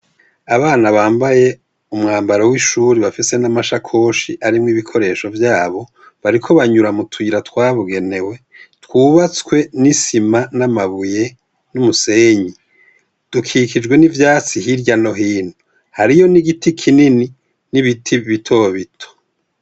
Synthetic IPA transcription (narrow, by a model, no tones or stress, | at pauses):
aβaːnaβaːmbaje̞ | umŋaːmbaɾowiʃuɾiβafise̞namaʃakʰo̞ːʃiʔaɾimŋiβikʰo̞ɾe̞ːʃo̞vjaːβo̞ | βaɾikʰo̞βaɲuɾamutʰuiɾatkwaːβuɡe̞ne̞we̞ | twuːβat͡skwe̞nisimanamaβuje̞ | numuse̞ːɲi | d̥ukʰikid͡ʒɡwe̞nivjaːt͡siɦiɾɟano̞ɦiːn̥hu | haɾijo̞niɡitʰikʰinini | niβitʰiβitʰo̞βitʰo̥